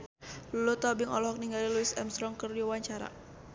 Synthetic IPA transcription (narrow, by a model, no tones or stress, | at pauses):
lulut̪ɔbiŋɔ̰lɔhɔk̚niŋɡaliluɪsɛmst̪ɾɔŋkəruwaɲt͡ʃaɾa̰